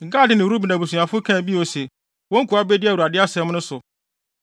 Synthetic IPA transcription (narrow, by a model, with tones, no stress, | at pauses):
ŋ̩˨ɡa˦dɪ˨nɪ̃˨wɾu˦bi˨nã˨bu˨sũ˨ã˨fʊ˦kʰã˦˨bi˦˨o˨sɛ˨ | wɔ̃˦ŋ̩˦kʰu˨a˦bɛ˦dɪ˦a˨u˨a˨dɪ˦a˦sɛ̃˦m˦nʊ̃˦sʊ˨